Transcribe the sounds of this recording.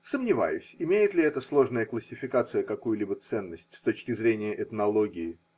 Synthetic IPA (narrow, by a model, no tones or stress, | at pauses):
səmnʲɪva̰jʊsʲɪmʲejɪt̪lʲɪɛt̪əslˠo̞ʐnəjəklˠəsʲːɪfʲɪkat̪sɨjəkɐkujʊlʲibət̪sɛnːəsʲtʲst̪o̞t͡ɕkʲɪzɾʲenʲɪjəʔɛt̪nɐlˠo̞ɡʲɪɪ